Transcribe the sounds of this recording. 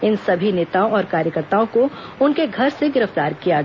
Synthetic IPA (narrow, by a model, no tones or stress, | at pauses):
ɪnsɐbʱineːt̪aõɔːɾkaːɾjəkəɾt̪aːõkoʊnkeɡʱɐɾseɡɪɾəft̪aːɾkija